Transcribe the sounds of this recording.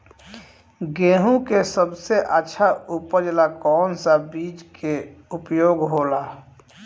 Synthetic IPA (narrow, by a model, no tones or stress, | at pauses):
ɡeːɦũkesəbseʔətːʃʰaupəɾd͡ʒlakɔːnsabiːd͡ʒkʰeupjoːɡɦoːla